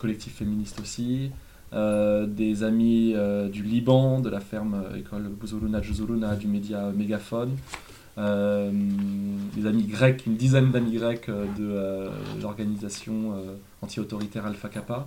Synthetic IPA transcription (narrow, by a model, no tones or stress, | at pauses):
kɔlɛk̚t̪ʰifːeminist̪osi | ød̪ezamiød̪ylibɑ̃d̪əlafɛʁmøḛkʰɔlbuzolunad̪ʒozolunad̪ymed̪jaømeɡʲafɔn | ø | d̪ezamiɡʁɛkynd̪izɛnd̪amiɡʁɛkød̪əølɔʁɡanizasjɔ̃ø | ɑ̃t̪ʰiot̪ɔʁit̪ɛʁalfakapa